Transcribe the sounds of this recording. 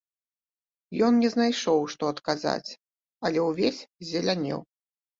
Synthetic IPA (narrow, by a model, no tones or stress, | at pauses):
jɔnnʲɛznajʂɔwʂt̪ɔɐt̪kaza̰t͡sʲ | ɐlʲɛwvʲesʲzʲɛlʲanʲɛ̰w